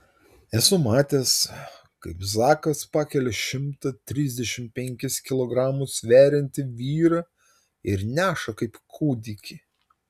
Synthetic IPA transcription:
ɛsʊmɑːt̪ʲeːs | kɐɪpzɑːkɐspɑːkʲɛlʲɛʃʲɪmt̪ɐt̪ʲɾʲiːzʲd̪ʲɛʃʲɪmpʲɛŋʲkʲɪskʲɪlˠoɡɾɑːmʊsʋʲæːɾʲɪnʲt̪ʲɪʋʲiːɾɐ | ɪɾnʲæːʃɐkɐɪpkʰuːd̪ʲikʲi

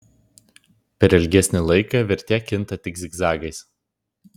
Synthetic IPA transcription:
pʲɛɾɛlʲɡʲɛsʲnʲɪlˠɐɪkɐˑʋʲɪɾʲt̪ʲæːkʲɪnt̪ɐt̪ʲɪɡzʲɪɡzɑːɡɐɪs

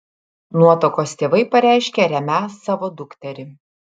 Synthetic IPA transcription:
nuɔt̪okoːst̪ʲeːʋɐɪpɐɾʲæˑɪʃʲkʲeɾʲɛmʲæsːɑːʋoːd̪ʊkt̪ʲɛɾʲɪ

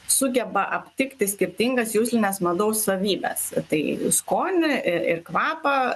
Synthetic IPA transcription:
sʊɡʲɛbɐʔɐpʲt̪ʲɪkt̪ʲɪsʲkʲɪɾʲt̪ʲɪŋɡɐsjuːsʲlʲɪnʲɛːsmɐd̪ɐʊssɐʋʲiːbʲɛ̰st̪ɐɪskoːnʲɪɪrkʋɑːpɐ

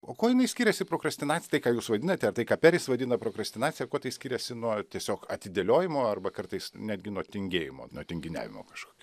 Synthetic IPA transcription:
oːkoːjɪnɐɪsʲkʲiːɾʲɛsʲɪpɾoːkɾɐsʲt̪ʲɪnɑːtt͡sʲsʲɪt̪ɐɪkɑːjuːsʋɐd̪ʲɪnɐt̪ʲɛɐrt̪ɐɪkɑːpʲɛɾʲɪsʋɐd̪ʲɪnɐpɾoːkɾɐsʲt̪ʲɪnɑːtt͡sʲɪjɛkoːt̪ɐɪsʲkʲiːɾʲɛsʲɪnuɔtʲiɛsʲoːkɐt̪ʲɪd̪ʲelʲoːjɪmoːɐrbɐkɐrt̪ɐɪsnʲæːd̪ʲɡʲɪnuɔt̪ʲɪŋʲɡʲeːjɪmo̰ːnuɔt̪ʲɪŋʲɡʲɪnʲæ̰ːʋʲɪ̰mo̰ːkɐʃko̥ːkʲː

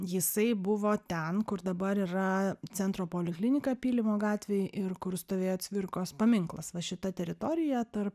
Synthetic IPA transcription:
jɪsɐɪbʊʋoːt̪ʲɛnkʊɾd̪ɐbɐɾiːɾɐt͡s̪ʲɛnt̪ɾoːpoːlʲɪklʲɪnʲɪkɑpʲiːlʲɪmoːɡɑːt̪ʲʋʲeːjʔɪɾkʊɾst̪oːʋʲeːjoːt̪sʲʋʲɪrkoːspɐmʲɪŋklˠɐsʋɐʃʲɪt̪ɐt̪ʲɛɾʲɪt̪oːɾʲɪjɛt̪ɐrp

